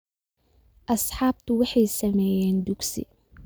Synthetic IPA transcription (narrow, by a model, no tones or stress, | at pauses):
ʔɐsħɑːb̚t̪ʰʊwɑħɑjsɐmɛːjɛːnd̪ʊɡsḭ